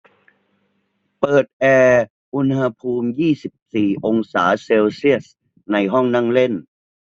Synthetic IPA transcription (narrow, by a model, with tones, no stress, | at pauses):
pɤː˨˩t̪̚ʔɛː˧ | ʔu˧nha˧pʰuː˧mjiː˥˩si˨˩p̚siː˨˩ʔo˧ŋsa̰ː˩˦seː˧wsi˥˩əs̚ | na˧jɦɔ˥˩ŋna˥˩ŋle˥˩n